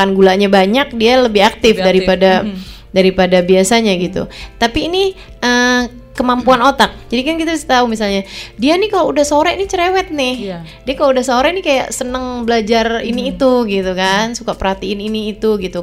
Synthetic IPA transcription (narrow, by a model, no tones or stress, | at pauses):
anɡulaɲabaɲak̚dialəbɪɦak̚t̪ɪfdaɾipada | daɾipadabiasaɲaɡit̪ṵt̪apiːni | ʔə | kəmampuanot̪ak̚d͡ʒadikankit̪abisḁt̪aumisalɲadianikaloudahsoɾɛinit͡ʃəɾewɛt̪̚nɪh | diakaloudahsoɾɛnikaja̰ʔsənəŋbəlad͡ʒariniːt̪uɡit̪ukansukapəɾhat̪iɪniniːt̪uɡit̪u